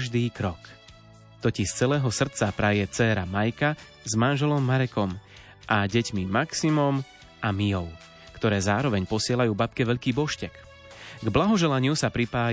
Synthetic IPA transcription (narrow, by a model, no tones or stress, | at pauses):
ʒd̪iːkɾɔk | t̪ɔciʃt͡sɛlɛːɦɔsr̩t͡sapɾajɛt͡sɛːɾamajka | zmanʒɛlɔmːaɾɛkɔm | ʔaɟɛcmimaksimɔm | amijɔʊ | kt̪ɔɾɛːzaːɾɔʋɛɲpɔsɪɛlajuːbapkɛʋɛʎkiːbɔʃcɛk | ɡblaɦɔʒɛlaɲɪusapɾipaː